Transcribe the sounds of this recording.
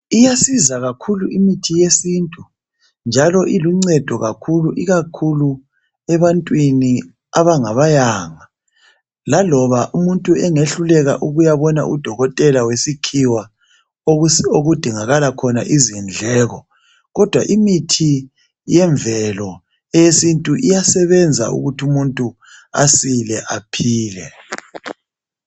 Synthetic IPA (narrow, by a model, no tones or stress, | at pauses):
ijasizaɣakʰuluimitʰijesiːntʼu | nd͡ʒʱalɔʔiluŋ͡ǀɛd̥ʱɔɣakʰuluʔiɣakʰulu | ɛβantʼwini | aβaŋaβajaːŋa | lalɔβaʔumuntʼuɛŋeɬulɛɣa̰ʔuɣujaβɔna̰ʔṵd̥ʱɔɣɔtʼɛlawesikʰiwa | oɣud̥ʱiŋaɣalakʰɔnaʔizind͡ɮʱɛːɣɔ | ɣɔd̥ʱwa̰ʔimitʰi | jɛɱvʱɛlɔ | ɛjesintʼuʔijasɛβɛnd͡zʱa̰ṵɣutʰiumuntʼu | a̰silɛʔapʰiːlɛ̰